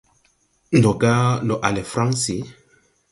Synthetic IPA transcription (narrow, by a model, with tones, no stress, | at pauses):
n˨dɔ˨ɡa˦lɔ˨ʔa˨lɛ˨fɾã˦ŋsi˨˦